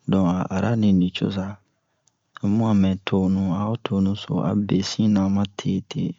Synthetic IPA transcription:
dɔ̃˨a˨a̰˨ɾʔa˦nĩ˨nĩ˨t͡ʃo̰˦s̬a˦˨ | mũ˦a˨mɛ̃˨tʰo˦nũ˦a˨˦o˦tʰo˨nũ˦so̰˨a̰˨be˨sĩ˦nã˨˦mã˦tʰe˦tʰe˨

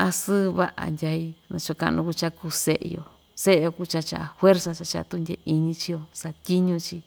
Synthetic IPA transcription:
a˧sɨ˦˧βa˦ʔa̰˨ndʲa˧i˧nã˧t͡ʃo˧ka̰˧nũ˧ku˧t͡ʃa˧ku˧se˦ʔjo̰˧ | se˦ʔe˧jo˧ku˦˧t͡ʃa˧t͡ʃa˧ʔa˨˧fwe˦ɾsa˧t͡ʃa˧t͡ʃa˧t̪u˧ndʲḛ˧˨i˧ɲĩ˧t͡ʃi˦jo˧sa˧t̪ʲi˦ɲũ˧t͡ʃi˧

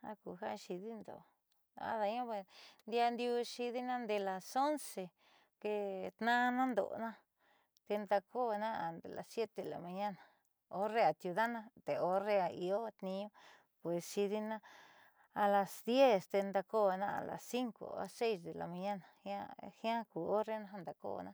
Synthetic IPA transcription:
a̰˦ku˧ɦa˦˧ʃi˧ði˦nd̪o̰˨ | a̰˦ða˧ɲõ˦pwe˧˨nd̪ja˧nd̪ju˧ʃi˧ði˦nã˦nd̪e˧la˨so˦nse˨ | ke˧t̪nã˦˧nã˦nd̪o̰˨˧nã˦ | t̪e˧nd̪a˧ko˦˧nã˦a˨nd̪ḛ˨la̰˨ssje˦t̪e˨la̰˨mã˧ɲã˦na˨ | o˦re˧a˨t̪ju˧ða˦nã˦t̪e˨o˧re˧a˧i˧o˦t̪nĩ˧ɲõ˦ | pwe˨sʃi˧ði˧nãː˦˧ | la˨sd̪je˦st̪e˧nd̪a˧ko˦˧nã˦a̰˨la̰˨ssi˦ŋko̰˧a̰˧se˦jsd̪e˨la̰˨mã˧ɲã˦na˨ha˦hjã˦ku˨o˦re˦nã˦ɦa˦nd̪a˨ko̰˦˧nã˦˧

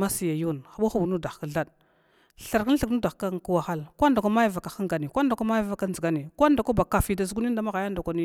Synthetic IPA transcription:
ma˦si˨ja˨ju˦˨nxa˨ɓu˦xu˦bu˨nu˦da˨xka˦ɮa˦ɗ | ɬa˨ɾka˦n˦ɬə˨knu˦da˨xka˦ŋ˨ku˦wa˨xa˦lkʷa˦nda˨kʷa˦ma˦ja˦˨va˨ka˨xa˦ŋɡa˨ni˨kʷa˦n˦da˨kʷa˦ma˦ja˦va˨ka˦n˦zə˨ɡa˦ni˨kʷa˦nda˨kʷa˦ba˨ka˨fi˨da˨zɡu˦i˦n˦da˦ma˦ɣa˨ja˦nda˨ka˦ni˦

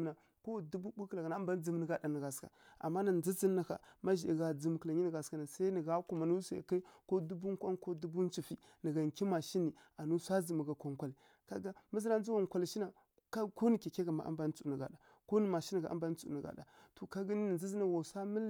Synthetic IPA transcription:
na˨ | ko˦˨du˦bu˦bu˦kla˨ɡa˨na˨˦a˦mba˦d͡zə˨m˨nə˨ɡa˨da˨nə˨ɡa˨ska̰˨a̰˨mːa˦na˨nd͡zi˦zi˦nːa˨ka̰˨ma˦ʒi˨i˨ɡa˨d͡zi˨m˨kə˨la˨ɲi˦nə˨ɡa˨ska˦na˨sa˦i˦nə˨ɡa˦ku˨ma˨nu˦sa̰˨ka˦i˦ko˦du˦bu˦ŋ˦kʷa˦nko˦du˦bu˦n˦t͡ʃi˨fi˦ | nə˨ɡa˨ŋki˦ma˨ʃi˦ni˨a˨nu˦sʷa˦d͡zi˨mə˨ɡa˨ko˨ŋ˨kʷa˨li˨ | ka˦ɡa˦mə˦zi˦na˦n˦u˦wa˦ŋ˨kʷa˨lʃi˦na˨ | ka˦ko˦ni˨ke˨ke˦ɡa˨ma̰˨ʔa̰˦ba˦t͡su˨nə˨ɡa̰˨da˨ | ko˦ni˦ma˨ʃi˦nə˨ɡa˨ʔa̰˦ba˦t͡su˨ə˨ɡa̰˨da̰˨to˨ka˦ɡi˦ni˦ni˨d͡zi˦zi˦na˨wa˨sa˦mə˦l

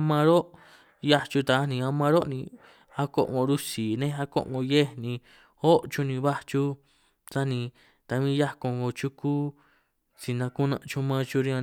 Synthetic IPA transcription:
mã˧ɾo˦ʔ | ja˦t͡ʃu˧t̪a˧˦nĩ˧a˧mã˧ɾo˦nĩ˧ | a˧ko̰˧ʔŋo˧ɾu˦si˨nẽ˦˧a˧ko̰˦ʔŋõ˧je˦nĩ˧ | o˦ʔt͡ʃu˧nĩ˧βa˦t͡ʃu˧ | t͡sa˦nĩ˧ | t̪a˧mĩ˦ja˦ko˧ŋɡo˧t͡ʃu˦ku˦ | t͡si˧nã˧ku˦nã̰˧t͡ʃu˧mã˧t͡ʃu˧ɾĩ˧ã˧

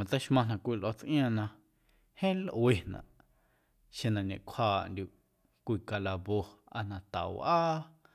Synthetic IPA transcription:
mã˨˧t͡sa˦ʃmã˧nã˧˨kʷi˧˨lʔo˧t͡sʔj̃ã˧˨nã˧ | hẽː˦lʔwe˧˨nã̰˨ʔ | ʃẽ˧nã˧nḛ̃˨kʷʰaː˧ʔndʲu˧˨ʔ | kʷi˧˨ka˧la˧βo˧a̰˧nã˧t̪a̰˨wʔaː˦

